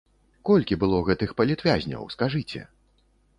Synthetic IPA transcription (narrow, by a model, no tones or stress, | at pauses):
kɔlʲkʲibɨlˠɔɣɛt̪ɨxpɐlʲit̪vʲazʲnʲɐ̰wskaʐɨt͡sʲɛ̰